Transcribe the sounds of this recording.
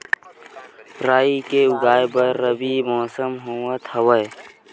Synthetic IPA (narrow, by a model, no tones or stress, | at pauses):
ɾaːikeʊɡaːebɐɾːəbimɔːsəmɦoːmət̪hɐwəj